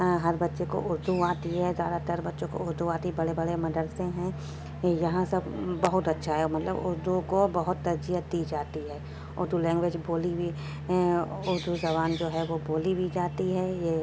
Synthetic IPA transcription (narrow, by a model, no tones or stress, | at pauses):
ɦɐɾbɐtːʃeko̰ʔʊɾd̪ʱuaːt̪iɦɛzja̰ːd̪at̪ɐɾbɐtːʃõko̰ʊɾd̪ʱuaːt̪ibɐɽebɐɽemɐd̪əɾsẽɦɛ̃ | jɐɦãsɐbbɐɦʊt̪ɐtːʃʰaɦɛmɐt̪ləbʊɾd̪ukobɐɦʊt̪ːɐɾd͡ʒijət̪ːid͡ʒaːt̪iɦɛː | ʊɾd̪ulɛ̃ːŋɡʋeːd͡ʒboːlibʱi | ɦɛ̃ʊɾd̪ʱuzɐbaːnd͡ʒoːɦɛʋoboːlibʱid͡ʒaːt̪iɦɛːjeː